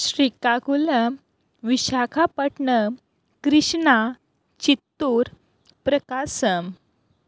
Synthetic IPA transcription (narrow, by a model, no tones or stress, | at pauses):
ɕɾikaɡuləm | ʋiɕakʰapəʈɳə | kɾiɕna | t͡ɕit̪ːuɾ | pɾəkasəm